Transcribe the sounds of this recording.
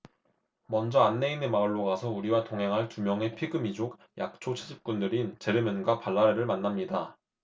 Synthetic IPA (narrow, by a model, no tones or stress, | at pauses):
mʌnd͡ʑʌanːe̞inemaɯɭːoɡasʰʌuɾiwatoŋɦe̞ŋɦaɭtumjʌŋe̞pʰiɡɯmid͡ʑok̚ | jʔak̚t͡ɕʰot͡ɕʰed͡ʑip̚k͈undɯɾint͡ɕe̞ɾɯmjɯnɡwapaɭːaɾeɾɯɭmanːamɲida